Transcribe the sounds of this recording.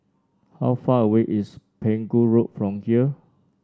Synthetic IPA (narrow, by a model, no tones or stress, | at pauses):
ha̰wfaəweʔispʰẽŋɡuɹot̚fɹɔ̃mhiə